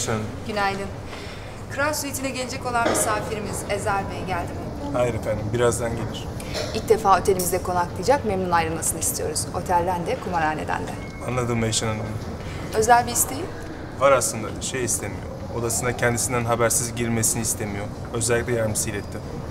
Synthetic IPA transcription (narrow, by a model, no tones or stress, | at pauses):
ʃanaɟynajd̪ʲim | kʰɯɾasyet̪inɛɟe̞lʲed͡ʒɛko̞lˠanmisaːfiɾimize̞zæɾveɟælʲd̪im | hajɾefænd̪imbiɾazd̪anɟelʲiɾ̥ | ilʲc̚d̪e̞faːo̞t̪ʰelʲimizd̪ɛkʰo̞naklˠɯjd͡ʒakmemnunajɾɯlˠmasɯnɯist̪ʰijo̞ɾuz̥o̞̰t̪ʰælʲd̪ænd̪ɛkʰumaɾaːnḛd̪æ̰nd̪ɛ | anlˠad̪ɯmvjaʃananɯm | ø̞zælʲbiːst̪ʰejim | vaɾaslˠɯnd̪a̰ʃejist̪ʰemijo̰ | od̪asɯnd̪acʰɛnd̪isind̪ænɦabæɾsizɟiɾmesiniːst̪ʰemijo | ø̞zɛlʲːicʲlʲɛjæɾmisilʲɛt̪ʰːim